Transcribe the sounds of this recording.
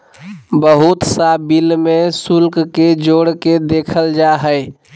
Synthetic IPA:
bəɦut̪sabilmesulkked͡ʒoɽked̪ekʰəld͡ʒaɦəɪ

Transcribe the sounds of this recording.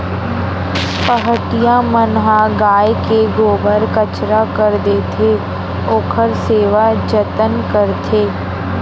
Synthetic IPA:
pəɦəʈijãmənɦaɡaːjkeɡoːbəɾkət͡ʃɾakəɾd̪eːt̪ʰe | oːkʰəɾseːʋad͡ʒət̪ənkəɾt̪ʰeː

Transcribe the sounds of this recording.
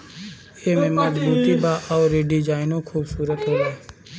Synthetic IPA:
eːmẽːmad͡ʒbuːt̪iːbaːʔɔːɾeɖid͡ʒaːɪnõːkʰuːbsuːɾət̪ɦoːlaː

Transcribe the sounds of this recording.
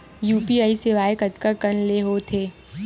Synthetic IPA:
juːpiaːiseʋaːjɪkəd̪kakənleɦot̪ʰeː

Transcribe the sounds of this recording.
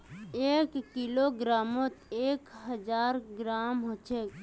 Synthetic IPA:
eːkːiloɡɾaːmot̪eːkɦəd͡ʒaːɾɡɾaːmɦot͡ʃʰe

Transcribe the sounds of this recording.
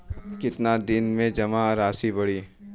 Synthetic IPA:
kɪt̪nad̪ɪnmẽd͡ʒɐmaɾaːsibɐɽiː

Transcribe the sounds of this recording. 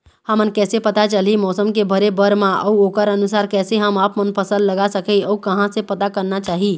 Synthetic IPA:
həmənkɛːsepət̪at͡ʃəlimɔːsəmkebʱəɾebəɾmãʔə̰uoːkəɾənusaːɾkɛːseɦəmaːpmənpʰəsəlləɡasəkəɔukəɦãsepət̪akəɾnat͡ʃaːɦi

